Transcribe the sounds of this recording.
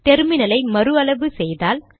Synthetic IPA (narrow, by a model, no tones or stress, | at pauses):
t̪ɛɾɯmɪnɐlɐɪmɐɾɯɐɭɐʋɯsɛjðaːl